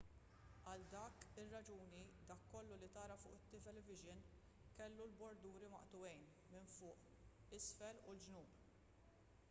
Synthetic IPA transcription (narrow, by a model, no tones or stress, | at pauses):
ɐld̪ɐːkɪrːɐd͡ʒuːnid̪ɐːkːɔlːulit̪ɐːɾɐfʊ̰ːʔɪt̪ːɪt̪ɛlɛvɪʒɪn | kɛlːulbɔɾd̪uːɾimɐ̰ʔt̪ʊwɛjn | mɪnfʊːʔ | ɪsfɛlʊld͡ʒnuːp